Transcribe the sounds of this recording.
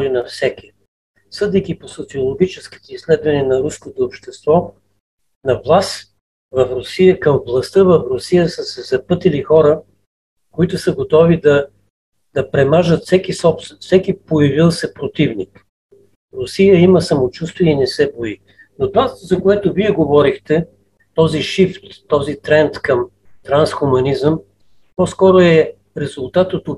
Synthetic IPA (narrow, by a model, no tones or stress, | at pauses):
ɔɾinɐfsɛkʲi | sɤd̪ɛk̟iposot̪siolˠoɡ̟ʲit͡ʃɛski̥t̪oislɛd̪vɐnɛnɐɾuskot̪oːpʃt̪ɛst̪vɔ | nɐvlˠas | vɐfɾosijəkəmvlˠɐst̪ɤvɐfɾʊsijəsəsɛzɐpɤt̪ɛlixɔɾə | koit̪ʊsəɡot̪ɔvid̪ɐ | d̪̥ɐpɾɛmaʒət̪fsɛkisɔpst̪ɛnfsɛkipojɐvilˠsɛpɾot̪ivnik | ɾʊsijəiməsɐmot͡ʃust̪viɛinɛsɛboi | not̪ovazɐkoɛt̪ʊviɛɡovɔɾixt̪ɛ | t̪ɔziʃift̪ːɔzit̪ɾɛnt̪kəm | t̪ɾansxʊmɐnizəm | pɔskɔɾʊɛ | ɾɛzʊlˠt̪at̪ot̪o